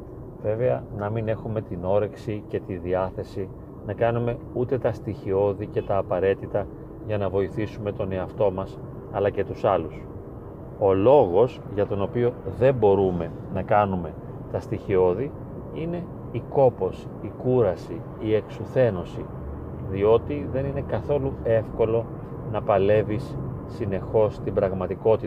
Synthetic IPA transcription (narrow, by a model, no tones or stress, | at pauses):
v̥e̞ve̞ɐnɐmine̞xume̞t̪ino̞ɾe̞ksice̞t̪iðiɐθe̞si | nɐkɐnume̞ut̪e̞t̪ɐst̪içio̞ðice̞t̪ɐːpɐɾe̞t̪it̪ɐ | ʝɐnɐvo̞iθisume̞t̪o̞ne̞ɐft̪o̞mɐs | ɐlɐce̞t̪usɐlus | o̞lo̞ɣo̞sʝɐt̪o̞no̞pio̞ðe̞mbo̞ɾume̞ | nɐkɐnume̞ | t̪ɐst̪içio̞ði | ine̞ | iko̞po̞sːkuɾɐsi | ie̞ksuθe̞no̞si | ðio̞t̪iðe̞nine̞kɐθo̞lue̞fko̞lo̞ | nɐpɐle̞visː | ine̞xo̞st̪ibɾɐɣmɐt̪iko̞t̪i